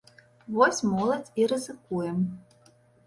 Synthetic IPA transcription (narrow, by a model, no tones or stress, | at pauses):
vɔsʲmɔlˠɐt͡sʲiɾɨzɨkujɛm